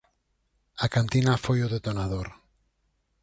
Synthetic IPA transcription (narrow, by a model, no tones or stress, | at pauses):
akant̪inafojoðet̪onað̞oɾ